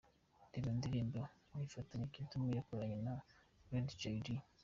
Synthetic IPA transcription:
iβindiɾiːmbomifataɲekitumijakoɾaɲena | wedd͡ʒejɾi

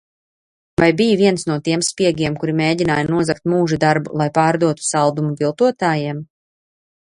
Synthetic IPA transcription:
vajbijviɛnsnuɔt̪iɛmspiɛɡʲiɛmkuɾimeːɟinaːjanuɔzakt̪̚muːʒud̪aɾbulˠajpaːɾd̪uɔt̪u̥salˠd̪umuɡilˠt̪uɔt̪aːjiɛm

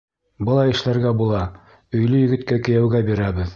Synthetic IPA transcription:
bɤ̆lˠɑjɘ̆ʃlæɾɡæbulˠɑ | ɵ̆jlɵjɘ̆ɡɘ̆t̪kækɘ̆jæwɡæbiɾæβɘð

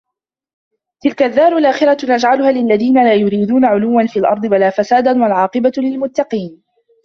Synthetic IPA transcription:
t̪ɪlkaʔðːaːɾˤʊlʔaːxɪɾanad͡ʒʕalʊhaːlɪlːaðiːnalaːjʊɾiːd̪uːnaʕʊluːwːanfiːlʔɑ̰ɾˤd̪ˤɨwalaːfasaːd̪anwalʕɑːqɨbalɪlmʊt̪ːɑqiːn

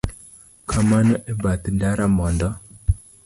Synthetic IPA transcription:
kʰamanɔʔɛbat̪ndaɾamɔndɔ

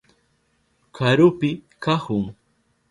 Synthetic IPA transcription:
kʰaɾʊpɪkahʊŋ

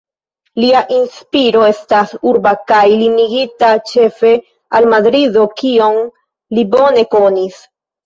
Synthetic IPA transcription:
liaʔinspiɾo̞e̞stasuɾbakajliniɡitat͡ʃe̞fe̞ | almadɾido̞kio̞n | libo̞ne̞ko̞nis

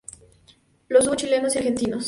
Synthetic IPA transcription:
losz̬ut͡ʃilenosiaɾxent̪inos

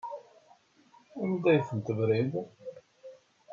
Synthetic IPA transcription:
æmd̪æjθənt̪əvɾið

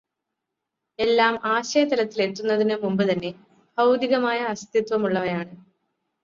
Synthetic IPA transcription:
e̞lːaːmaːɕɐjɐt̪ɐlɐt̪ːile̞t̪ːunːɐðinɨmumbɨt̪ɐnːe̞ | bʱɐwd̪iɣɐmaːjɐːst̪ʰit̪ʋɐmuɭːɐʋɐjaːɳɨ

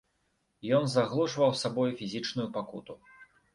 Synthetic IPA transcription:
jɔnzaɣlˠuʐvɐwsabɔjufʲizʲit͡ʂnujupakṵt̪u

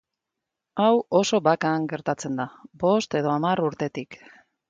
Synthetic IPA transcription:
awo̞so̞bakaŋɡe̞ɾt̪at͡se̞nd̪abo̞st̪e̞ð̞o̞amaruɾt̪e̞t̪ik

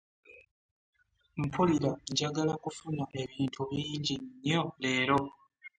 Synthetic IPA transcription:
m̩pʰuliɾaɟaɡalakufunaʔe̞βiːntʰuβiːɲɟinːjo̞le̞ːɾo̞

